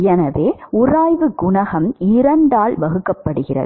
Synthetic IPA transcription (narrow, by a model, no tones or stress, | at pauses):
ɛnɐʋeːʊraːjʋɯɡʊɳɐɣɐmɪɾɐɳɖaːlʋɐɣɯkːɐpːɐɽɯɣɪrɐ̰ðɯ